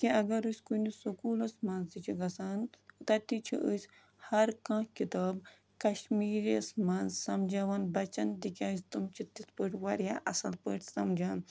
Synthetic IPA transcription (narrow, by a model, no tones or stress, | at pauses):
kiɐɡɐɾusʲkunisokuːlɐsmɐːnzd̪it͡ʃʰiɡɐsaːnt̪ɐt̪it͡ʃʰḭʔəsʲ | hɐɾkãːkit̪aːb | kɐʃmiːɾɐsmɐːnzsɐmd͡ʒɐʋaːnbɐt͡ʃɐnd̪ikʲaːsʲt̪umt͡ʃʰit̪ispəʈʰʋɐɾjaʔɐsɐlpəʈʰʲsɐmd͡ʒaːn